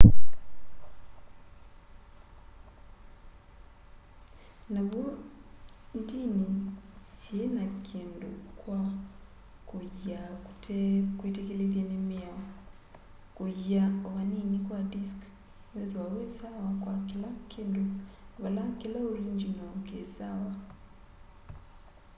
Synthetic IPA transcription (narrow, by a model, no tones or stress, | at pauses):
naβwo | ntiːnisienakʰiːndṵkwa | kujautkwetekeleðjenemjao | kujaoβaniːnikwadisk | neðwawesawakwakilakiːnduβalakilauɾiːɲd͡ʒinokesawa